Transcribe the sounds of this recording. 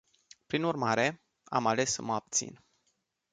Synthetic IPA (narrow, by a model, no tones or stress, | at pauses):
pɾinurmaɾe̞ | a̰male̞sːəməab̚t̪sḭn